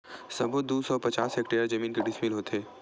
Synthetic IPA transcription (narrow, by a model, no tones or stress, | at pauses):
sɐ̃bʱod̪uːsɔpɐt͡ʃaːsɦekʈeːjəɾd͡ʒɐmiːnkeɖɪsmɪlɦoːt̪ʰeː